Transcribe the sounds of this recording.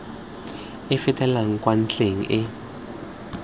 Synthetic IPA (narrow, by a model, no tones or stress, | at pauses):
ɪfɪtʼɛlaŋ̩kwan̩t͡ɬʼeŋ̩̰ʔɪ